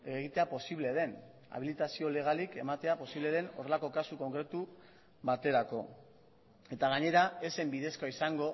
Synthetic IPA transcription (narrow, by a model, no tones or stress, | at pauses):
eɣ̞it̪e̞apo̞siβle̞ðe̞n | a̰β̞ilit̪asio̞le̞ɣ̞alike̞mat̪e̞apo̞siβle̞ðe̞no̞re̞lako̞kasuko̞ŋkɾe̞t̪u | βat̪e̞ɾako̞ | e̞t̪aɣaɲe̞ɾae̞se̞mbiðe̞skoaisaŋɡo̞